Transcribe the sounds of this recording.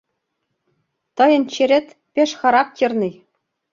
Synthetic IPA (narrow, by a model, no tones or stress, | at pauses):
t̪ɤ̆jɤ̆nt͡ɕeɾʲĕt̪ʲ | pʲeʃχɑɾɑk̚tʲɤ̆rnɤ̆j